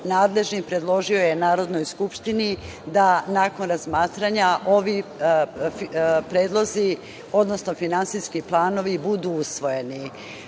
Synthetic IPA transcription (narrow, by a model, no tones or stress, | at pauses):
naːd̪le̞ʒnipɾe̞d̪lˠo̞ʒio̞jenaːɾo̞d̪no̞jskupʃt̪ini | d̪anaːko̞nɾazmaːt̪ɾaɲaʔo̞ʋi | pɾe̞ːd̪lˠo̞zi | o̞d̪no̞sno̞finansiskiplˠaːno̞ʋibud̪uusʋo̞je̞ni